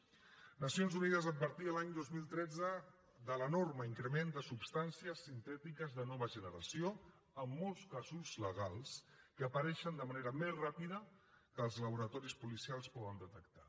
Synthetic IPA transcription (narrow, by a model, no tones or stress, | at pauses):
nəsionzuniðəzəd̪̚bəɾt̪iəlaɲd̪ozmilˠt̪ɾɛd͡zə | d̪ələnorməiŋkɾəmend̪əsupst̪ansiəsint̪ɛt̪ikəzðənɔβəʒənəɾəsio | əmːɔlˠskazuzləɣ̞alˠs | kəəpəɾɛʃənd̪əməneɾəmezrapiðəkəːlˠzləβuɾət̪ɔɾispulisialˠspɔɣənd̪ət̪əkt̪ḁ